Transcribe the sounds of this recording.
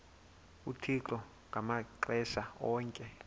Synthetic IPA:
utʰiǃɔ | ŋɡ̥ʱamaǃɛsaɔːŋkʼɛ

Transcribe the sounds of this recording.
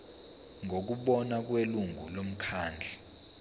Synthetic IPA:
ŋʱok̬uɓɔnak̬weluŋɡʱṵlom̩kʰaːnd͡ɮʱi

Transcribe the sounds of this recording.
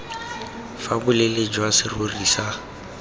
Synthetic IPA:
fabʊleled͡ʒwasɪroriːsa

